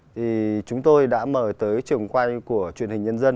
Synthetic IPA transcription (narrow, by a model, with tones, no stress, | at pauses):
t̪ʰi˨˩t͡ɕʊ˨˦ŋ͡mt̪o˧jɗa̰ː˧˥məː˧˩t̪əː˨˦jt͡ɕɨ˨˩əŋkwa˧jku˧˩ət͡ɕwḭ˧˨ənhï˨˩ŋ̟ɲə˧nzə˧n